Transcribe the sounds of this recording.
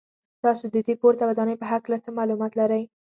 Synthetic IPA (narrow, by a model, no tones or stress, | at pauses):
t̪ɑsod̪əd̪epoɾt̪awad̪ɑnəjpəɦaklat͡səmɑlumɑt̪laɾəj